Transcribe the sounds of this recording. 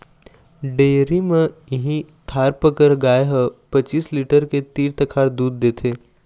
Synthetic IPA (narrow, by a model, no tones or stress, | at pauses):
ɖeːɾimẽɪɦĩt̪ʰaːɾpəkəɾɡaːjɦəpɐt͡ʃiːsliːʈəɾket̪iːɾt̪ɐkʰaːɾd̪uːd̪ːeːt̪ʰeː